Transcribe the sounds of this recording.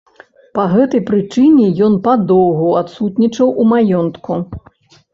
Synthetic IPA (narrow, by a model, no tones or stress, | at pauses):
pɐɣɛt̪ɐjpɾɨt͡ʂɨnʲɛjɔnpɐd̪ɔwɣuat̪sut̪nʲit͡ʂɐwʔumajɔnt̪ku